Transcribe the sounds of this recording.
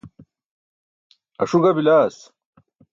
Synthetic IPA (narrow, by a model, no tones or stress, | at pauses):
ɐ̰ʂuɡɐbilaːs